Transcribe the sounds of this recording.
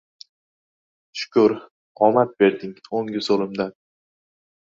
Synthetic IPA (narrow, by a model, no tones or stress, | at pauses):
ʃʊ̥kʊɾ | ɒmat̪̚be̞ɾd̪ɪŋoŋɡʲɪsolˠɪmd̪an